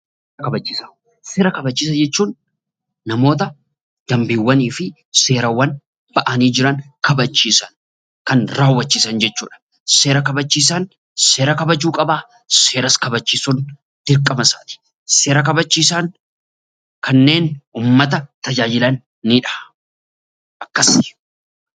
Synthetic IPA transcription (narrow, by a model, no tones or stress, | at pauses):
kɐbɐt͡ʃːiːsɐ | se̞ːɾɐkɐbɐt͡ʃːiːs̬ɐd͡ʒɛt͡ʃːuːnː | ɐmo̞ːt̪ɐ | d̪̥ɐmbiːwːɐniːfɪ | se̞ːɾɐwɐn | b̥ɐʔɐniːd͡ʒɪɾɐnkɐbɐt͡ʃːiːsɐn | kɐnɾaːwːɐt͡ʃːiːsɐnd͡ʒɛt͡ʃːuːᶑɐ̥ | se̞ːɾɐkɐbɐt͡ʃːiːs̬ɐn | se̞ːɾɐkɐbɐd͡ʒuːkʼɐbaː | se̞ːɾɐskɐbɐt͡ʃːiːsun | d̪̥ɪɾkʼːɐmɐsaːt̪ɪ̥ | se̞ːɾɐkɐbɐt͡ʃːiːsan | kɐnːe̞ːnuːmːɐt̪̬ɐt̪ɐd͡ʒaːjɪlɐnː | iːᶑɐ̥ | ɐkːɐs